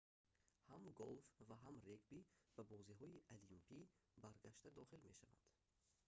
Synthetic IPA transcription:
hamɡolfvaɦamreɡbib̥abɔziɦɔiʔalimpʰibaɾɡaʃt̪ad̪ɔχilme̞ʃava̰nd̪̥

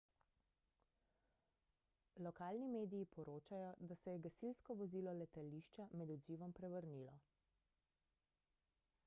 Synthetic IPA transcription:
lɔkaːlnimeːd̪iːpɔɾoːt͡ʃajɔd̪asɛjɛɡasilskɔʋɔziːlɔlɛt̪aliʃt͡ʃamɛd̪ɔd̪ziːʋɔmpɾɛʋəɾnilɔ

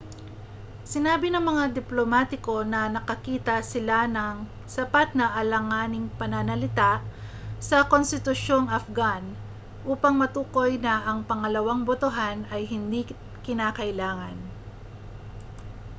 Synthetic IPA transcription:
sɪnaːbɪnɐŋmɐŋad̪ɪplomaːt̪ɪko̞nɐnɐkɐkiːt̪ɐsɪlanɐŋ | sɐpat̪̚nɐʔɐlɐŋaːnɪŋpɐnɐnɐlɪt̪aʔ | sɐkonst̪ɪt̪ʊʃo̞ŋɐfɡan | ʔuːpɐŋmɐt̪uːko̞jnɐʔɐŋpɐŋɐlɐwaŋbot̪ʊɦanɐjɦɪnd̪i | kɪnaːkɐʔɪlaːŋɐn

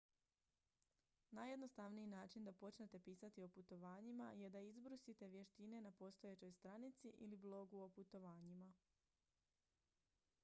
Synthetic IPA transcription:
naje̞d̪no̞st̪aʋniinaːt͡ʃind̪apo̞t͡ʃne̞t̪e̞piːsat̪io̞put̪o̞ʋaːɲima̰je̞d̪aizbɾusit̪e̞ʋje̞ʃt̪ine̞napo̞st̪oje̞t͡ɕo̞jst̪ɾanit̪siʔḭliblˠo̞ɡuoput̪o̞ʋaːɲima

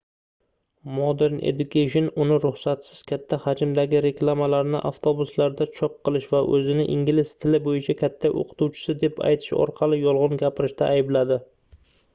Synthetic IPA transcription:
mod̪e̞ɾnḛd̪ʊkʲʰeʃonʊnɪɾʊχsat̪sɪz̥kʲʰat̪ʰːahad͡ʒɪmd̪aɡʲɪɾe̞klˠamalaɾnɪʔaft̪ʰobʊslaɾd̪at͡ʃʰɒp̚qʰɨlˠɪʃvaʔɵzɪnɪʔɪŋɡʲɪlɪst̪ʰɪlɪbojɪt͡ʃʰakʲʰat̪ʰːaʔo̰qʰɨ̥t̪uwt͡ʃʰɪ̥sɪd̪e̞pʰa̰jt̪ʰɪ̥ʃɒ̰ɾqʰɑlɪjɒlˠʁʊnɡʲapɪɾɪʃt̪ʰaːjɪblad̪ɪ

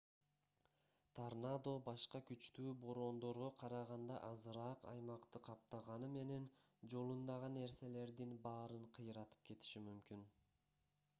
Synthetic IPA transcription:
t̪ʰarnad̪o̞bɑʃqɑkyt͡ʃt̪yːbo̞ɾo̞ːnd̪o̞ɾʁoqʰɑɾɑʁɑnd̪ɑ̰ʔɑzɯɾɑːqɑ̰jmɑqt̪ɯqʰɑp̚t̪ɑʁɑnɯme̞ne̞n | d͡ʒo̞lˠund̪ɑʁɑnːe̞ɾse̞le̞ɾd̪inbɑːɾɯɴqʰɯjɾɑt̪ɯ̥p̚ke̞t̪i̥ʃimymkyn

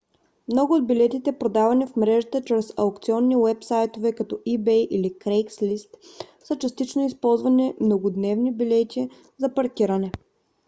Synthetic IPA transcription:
mnɔɡʊod̪̚bilɛt̪it̪ɛpɾod̪avɐnifmɾɛʒət̪ət͡ʃɾɛsɐʊkt̪siɔnːiwɛpsajt̪ovɛkɐt̪ɔʔibɛjʔilikɾɛjkslist̪sət͡ʃɐst̪it͡ʃnoispɔlˠzvɐnimnoɡod̪nɛvnibilɛt̪ʲi | zɐpɐɾkiɾɐnɛ

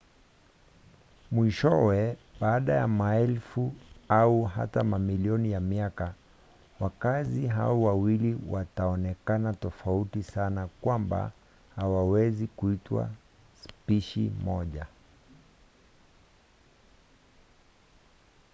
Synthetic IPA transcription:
mwiʃɔwɛɓaːɗajamaɛlfuauɦa̰tamamiliɔnijamiaka | wakaziɦa̰ɔwawiliwataɔnɛkanatɔfautisanakwamba̰ | hawawɛzikuitwa̰ | spiʃḭmɔʄa

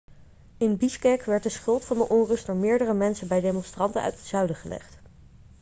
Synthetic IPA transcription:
ɪnbiskɛkʋɛɹt̚dəsχɵlˠtfɑndəʔɔnrɵstdʊːɹmɪːɹdərəmɛnsəbɛjdejmɔnstrɑntə̰nœ̰ɥtə̥tsœɥdəχəlɛ̰χt

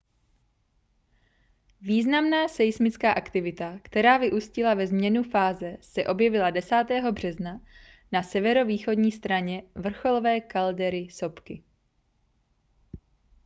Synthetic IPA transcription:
viːznamnaːsɛjsmɪt͡skaːʔakt̪ɪvɪt̪akt̪ɛɾaːvɪʔuscɪlavɛzmɲɛnufaːzɛsɛʔo̞bjɛvɪladɛsaːt̪ɛːɦo̞br̝̥ɛzna | nasɛvɛɾo̞viːxo̞dɲiːst̪ɾaɲɛvr̩xo̞lovɛːkaldɛɾɪso̞pkɪ

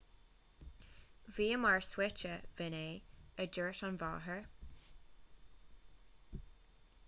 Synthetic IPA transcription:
viːəmaɹswɪt͡ʃəvɪneːəd͡ʒəɹtɑnvɑ̰ːɦəɹ

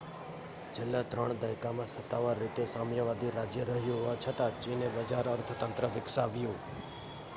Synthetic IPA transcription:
d͡ʒɪlːãt̪ɾəɳd̪ajkamãsət̪ːaʋaɾːit̪esamjəʋad̪iɾad͡ʒjəɾəɦjũɦoat͡ʃʰət̪at͡ʃinebəd͡ʒaɾəɾt̪ʰət̪ənt̪ɾəʋɪksaʋjũ

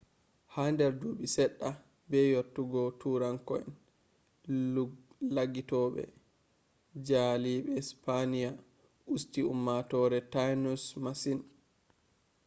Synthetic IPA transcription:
handɛɾduɓisɛɗːa | bɛjotːuɡɔtuɾaŋkɔɛ̰n | laɡitɔɓɛ̰ | d͡ʒaliɓɛspʰanija | ʔustiumːatɔːɾɛtajnusmasin

